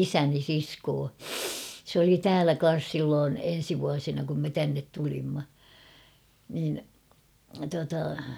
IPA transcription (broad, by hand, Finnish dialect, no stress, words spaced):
isæni siskoː s oli tæːlæ kɑn̞s silːoːn en̞si ʋuɑsinɑ kum me tænːet tulimːɑ niːn tuɑtɑ